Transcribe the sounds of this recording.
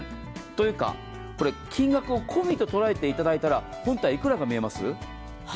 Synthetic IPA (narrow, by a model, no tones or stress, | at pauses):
t̪o̞jɯ̟ːka̰ | ko̞ɾe̞kʲĩŋɡakɯ̟o̞kʰo̞mʲit̪o̞t̪o̞ɾae̞t̪e̞it̪ad̪ait̪aɾa | hõ̞nt̪aiikɯ̟ɾaɡamʲie̞masɨ̰